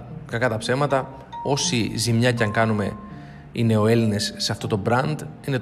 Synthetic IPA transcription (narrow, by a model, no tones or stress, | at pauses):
kɐkɐt̪ɐpse̞mɐt̪ɐ | o̞sizimɲɐcɐŋkɐnume̞ | ine̞o̞e̞line̞ssːeɐft̪o̞t̪o̞bɾɐnd̪ine̞